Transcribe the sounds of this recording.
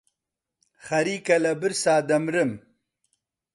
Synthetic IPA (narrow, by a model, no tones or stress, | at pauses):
χɐɾikɐlɐbiɾsaːd̪ɐmɾəm